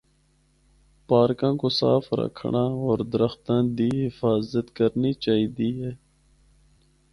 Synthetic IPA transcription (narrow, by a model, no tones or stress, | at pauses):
paːɾkãːkosa̰ːfɾə̰kʰɳãːoːɾd̪ɾəxt̪ãːd̪iːɦɪfaːzət̪kəɾniːt͡ʃaːɦiːd̪iːɦɛː